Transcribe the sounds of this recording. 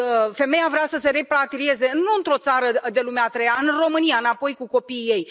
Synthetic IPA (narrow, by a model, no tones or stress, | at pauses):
fe̞me̞javɾeasəse̞ɾe̞pɾat̪iɾie̞ze̞ɨnːuɨnt̪ɾo̞t̪saɾəd̪e̞lumeat̪ɾejaɨnro̞mɨnijaɨnapo̞jkuko̞piːe̞j